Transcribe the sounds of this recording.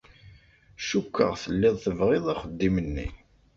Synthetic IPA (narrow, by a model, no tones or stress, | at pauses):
ʃukːə̰ʁθəlːɪðˤθəvʁɪðˤaχəd̪ːimənːḭ